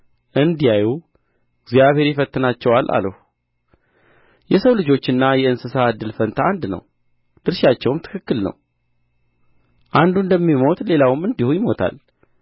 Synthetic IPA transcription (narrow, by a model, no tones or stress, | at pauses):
ʔɨnd̪ijaju | ɪɡzjaβhe̞ɾjɪfət̪ːɨnat͡ʃːɛwalʔa̰ləhu | jɛsəwlɨd͡ʒo̞t͡ʃːɨnːajɛɨnsɨsaːd̪ːɨlfənt̪ʰaːnd̪nə̰w | d̪̥ɨɾʃat͡ʃːɛwɨmt̪ʰɨ̥kʰɨkːɨlnə̰w | ʔand̪und̪əmːimo̞t̪le̞lawɨmɨnd̪ihujɪmo̞t̪ʰa̰l